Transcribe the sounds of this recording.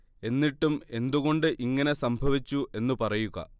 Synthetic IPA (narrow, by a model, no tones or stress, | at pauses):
e̞nːiʈːume̞nd̪uɣo̞ɳɖɨʔiŋːɐne̞sɐmbʱɐʋit͡ɕːuʔe̞nːupɐrɐjuɣɐ̰